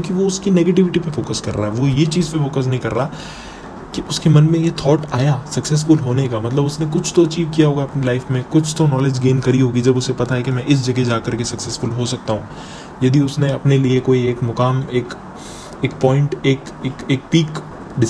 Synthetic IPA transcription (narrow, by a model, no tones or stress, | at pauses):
kjõːkiʋoʊskineːɡeːʈɪʋɪʈipefoːkəskɐɾːaːɦɛʋojet͡ʃiːzpefoːkəs̬nɐɦĩkɐɾːaː | kiʔʊskemɐnmẽjet̪ʰɔːʈaːjaːsɐksɛs̬fʊlɦoːnekamɐt̪ləbʊsnẽk̬ʊt͡ʃʰt̪oɐt͡ʃiːbkijaɦoːɡaɐpnelaːɪfmẽkʊt͡ʃʰt̪onɔːled͡ʒɡeːnkɐɾiɦoːɡid͡ʒɐbʊsepɐt̪aɦɛkimɛ̃ʔɪs̬d͡ʒɐɡed͡ʒaːkɐɾkesɐksɛsfʊlɦosɐk̚t̪aɦũː | jɐd̪iʊsneɐpneliekoːieːkmʊkaːmeːk | eːkpɔːɪ̃ɳʈeːk | eːkeːk̚piːk | ɖɪ